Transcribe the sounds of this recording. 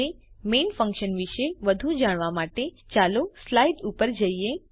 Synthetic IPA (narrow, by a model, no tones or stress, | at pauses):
emenfə̃ŋkʃənʋiʃeʋəd̪ʱũd͡ʒaɽ̃ʋamaʈet͡ʃaloslaiʈupəɾd͡ʒəie